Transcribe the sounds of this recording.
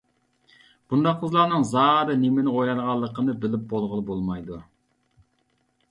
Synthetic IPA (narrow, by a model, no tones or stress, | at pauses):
b̥und̪ɑqʰʊzlˠɑːnɨŋzɑːɾɨnemɪnɪojɾɑlʁɑlˠːəqʰənɨbɪlɪp̚bolˠʁəlˠɨbolˠmɑjd̪u